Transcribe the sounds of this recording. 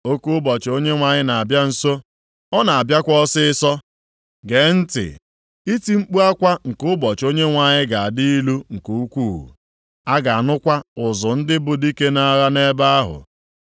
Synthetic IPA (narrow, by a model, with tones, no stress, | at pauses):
o˦ku˦ʊ˦bɔ˨t͡ʃo˦ɲe˦ŋʷa˨ɲɪ˦na˨a˨bja˦n̩˨so˦ | ɔ˦na˨a˨bja˦kʷɔ˦sɪ˦ɪ˦sɔ˦ | ɡe˨n̩˦tɪ̰˨ | i˦ti˦ŋ͡m̩˦k͡pu˦a˦kʷa˦ŋ̩˨kʊ˦bɔ˨t͡ʃo˦ɲe˦ŋʷa˨ɲɪ˦ɡa˨a˨di˦i˦lu˦ŋ̩˨ku˨u˦kʷu˦˨ɦṵ˨ | a˦ɡa˨a˨nʊ˦kʷa˦ʊ˨zʊ˨n̩˦dɪ˦bʊ˨di˦ke˦na˦ɾa˦ne˦ba˦a˦ɦʊ̰˨